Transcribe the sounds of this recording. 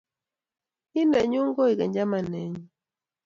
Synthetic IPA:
i˦na˨ɲu˦ŋɡɔ˦i˨ka˨ɲd͡ʒa˦ma˨nɛ˨˦ɲi˨

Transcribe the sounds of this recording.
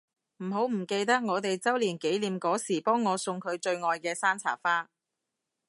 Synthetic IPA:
m̩˨˩ɦo˨˥wm̩˨˩ke˧jt̪ɐ˥k̚ŋɔː˨˧t̪e˨jt͡sɐ˥wliː˨˩nke˨˥jliː˨˧mkɔː˨˥siː˨˩pɔː˥ŋːɔː˨˧sʊ˧ŋkʰɵ˨˧ɥt͡ʃɵ˧ɥŋɔː˨jkɛː˧saː˥nt͡sʰa̰ː˨˩faː˥

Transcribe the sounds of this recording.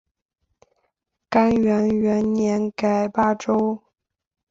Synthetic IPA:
ka˥nɥɛ˧˥nɥɛ˧˥nnjɛ˧˥nka˨˩ɪpa˥˩ʈ͡ʂo˥ʊ

